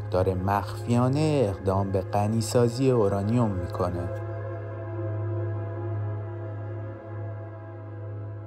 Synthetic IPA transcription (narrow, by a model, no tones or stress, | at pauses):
d̪ɒːɾe̞mæxfijɒːneeːɣd̪ɒːmbe̞ɢæniːsɒːziːe̞oɾɒːnijo̞mːiːkʰo̞ne